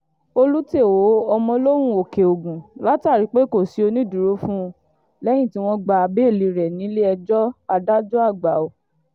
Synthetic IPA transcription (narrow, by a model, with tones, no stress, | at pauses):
o˧lu˦te˦˨wo˨˦ɔ˧mɔ̃˧lo˦w̃ũ˦o˨ke˨o˨ɡũ˨la˦ta˦˨ɾi˨˦k͡pe˦ko˦˨si˨˦o˧nĩ˦du˨ɾo˨˦fũ˦˧ | lɛ˦j̃ĩ˦˨ti˦w̃ɔ̃˦ɡ͡ba˧˨a˧be˦˨li˧ɾɛ˨nĩ˨˦le˦ɛ˧d͡ʒɔ˦a˧da˦d͡ʒu˦a˦˨ɡ͡ba˨o˨